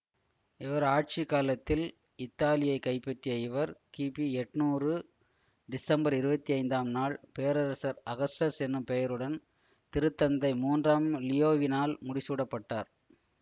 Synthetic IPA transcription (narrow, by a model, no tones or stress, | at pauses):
ɪʋɐɾaːʈ̚t͡ʃɪkaːlɐt̪ːɪl | ɪt̪ːaːlɪjɐɪkːɐɪpːɛʈːɪjɐɪʋɐɾkiːpiɛʈːnuːrɯ | ɖɪsɐmbɐɾɪɾɯbɐt̪ːiɐɪnd̪aːmnaːɭpeːɐɾɐɾɐsɐɾɐɣɐsɐsɛnːɯmpɛjɐɾɯɽɐn | t̪ɪɾɯt̪ːɐnd̪ɐɪmuːndraːmlɪjoːʋɪnaːlmʊɽɪsuːɽɐpːɐʈːaːɾ